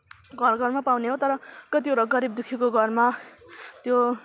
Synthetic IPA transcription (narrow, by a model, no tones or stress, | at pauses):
ɡʱʌrɡʱʌrmapawneɦot̪ʌɾʌkʌt̪̬ioɾʌɡʌɾib̚d̪ukʰikoɡʱʌrma | t̪jo